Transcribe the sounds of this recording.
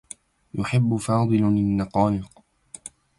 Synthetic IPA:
jʊħɪbːʊfɑːd̪ˤɨlɪnːɑqɑːlɪq

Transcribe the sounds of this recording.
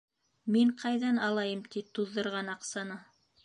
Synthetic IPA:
miɴqʰɑjðɑnɑlˠɑjɤmt̪it̪ːuðːɤ̆ɾʁɑnɑqsɑnɤ

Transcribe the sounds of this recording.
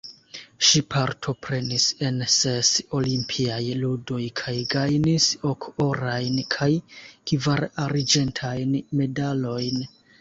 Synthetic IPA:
ʃipʰaɾtʰo̞pɾe̞nise̞nse̞so̞limpʰiajludo̞jkʰajɡajniso̞ko̞ɾajnkʰajkivaɾaɾid͡ʒe̞ntʰajnme̞dalo̞jn

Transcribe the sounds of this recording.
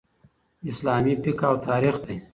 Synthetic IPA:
ɪslaːmipikawt̪ʰaːɾixd̪ej

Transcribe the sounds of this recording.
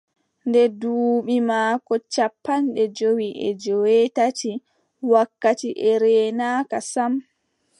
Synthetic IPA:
ndɛduːɓimaːkɔt͡ʃapːanɗɛd͡ʒowiʔɛ̰d͡ʒɔwɛtati | wakːatiʔɛɾɛːnaːkasam

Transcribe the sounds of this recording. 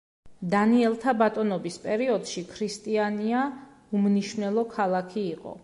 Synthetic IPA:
d̪aniɛlˠt̪ʰabat̪ʼɔnɔbispʼɛɾiɔd̪ʃikʰɾist̪ʼiania | umniʃnɛlˠɔkʰalˠakʰiːqʼɔ̰

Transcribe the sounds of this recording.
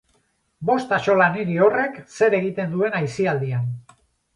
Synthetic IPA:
bo̞st̪at͡ʃo̞laniɾio̞re̞kse̞ɾe̞ɣit̪e̞nd̪ue̞najsiald̪ian

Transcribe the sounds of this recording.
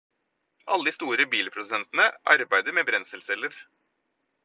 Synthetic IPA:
ʔɑ̰lːəd̪iːst̪uːɾəbiːləpʰɾʊd̪ʉsɛnt̪nəʔɑɾbæɪd̪əɾmeːbɾɛnsəlsɛləɾ

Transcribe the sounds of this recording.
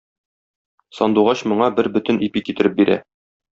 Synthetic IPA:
sɒnd̪uʁɑɕmŏɴɑbɘɾbɵ̆t̪ɘ̆nʔipikit̪ɘ̆ɾɘp̚biɾʔæ̰

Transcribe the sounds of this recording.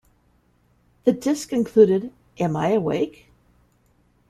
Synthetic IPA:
ðɨdɪskɨ̃nkʰl̥ʉɾɨɾ | ʔɨ̃maɪɨwḛɪk

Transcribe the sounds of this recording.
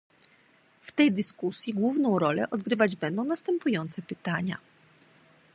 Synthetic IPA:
ft̪ɛjd̪ɘskusʲjiɡwuvnɔ̃w̃ɾɔlɛ̰ʔɔd̪ɡɾɘvad͡ʑbɛnd̪ɔ̃w̃nast̪ɛmpujɔnt̪sɛpɘt̪aɲa̰

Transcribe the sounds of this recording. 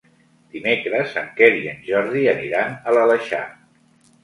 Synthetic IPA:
d̪̥imekɾəzəŋkeɾiənʒɔɾðiəniɾanələləʃa̰

